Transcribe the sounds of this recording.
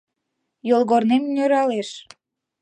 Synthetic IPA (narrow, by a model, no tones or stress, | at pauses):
jolˠɣornemnʲøɾɑleʃ